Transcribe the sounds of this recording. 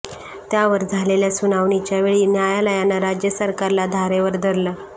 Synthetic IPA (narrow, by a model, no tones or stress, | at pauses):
t̪jaʋəɾd͡zʱaleljasunaʋɳit͡ɕjaʋeɭiːnjajaləjanːaɾad͡ʑjəsəɾkaɾlad̪ʱaɾeʋəɾd̪ʱəɾlə